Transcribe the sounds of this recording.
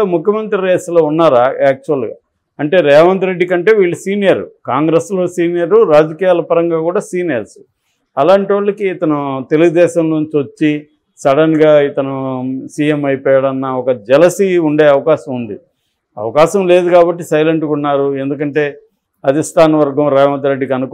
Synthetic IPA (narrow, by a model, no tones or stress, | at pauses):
mukʰjɐmɐnt̪ɾiɾeːsloːunːaːɾɛːk̚t͡ʃuɐlɡa̰ː | ɐɳʈe̞ːɾɛːʋɐnt̪ɾe̞ɖːikɐɳʈe̞ːʋiːɭːɐsiːnijɐɾṵkaːŋɡɾeslo̞ːsiːnijɐɾuɾaːd͡ʒɐkiːjaːlɐpɐɾɐŋɡaːkuːɽaːsiːnijɐɾsu̥ | ɐlaːɳʈiʋɐɭːɐkiːt̪ɐnut̪e̞luɡud̪ɛːʃɐmloːnt͡ʃiʋɐt͡ʃːi | sɐɽɐnɡaːit̪ɐnusiːjemɐjpɔːjɐɽɐnːɐɔkɐd͡ʒɛlɐsiuɳɖe̞ːɐʋɐkaːʃɐmund̪i | ɐ̰ʋɐkaːʃɐmle̞ːd̪ukaːbɐʈːisɐjleɳʈukunːaːɾue̞nd̪uk̬ɐɳʈe̞ː | ɐd̪ʱisʈʰaːnɐʋɐɾɡɐmɾɛːʋɐnt̪̬ɾeɖːikɐnuk